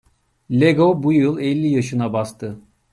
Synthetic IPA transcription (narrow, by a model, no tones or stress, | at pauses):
lʲeɡobujɯlˠɛlʲːijaʃɯnabast̪ʰɯ